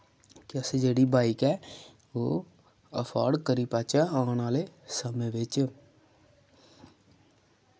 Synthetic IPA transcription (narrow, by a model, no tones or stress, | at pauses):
kɛsed͡ʒeːɽibaːɪkɛ | oː | əpʰa̰ːɾɖkəɾipaːt͡ʃaaːnaːlesəməʋeːt͡ʃ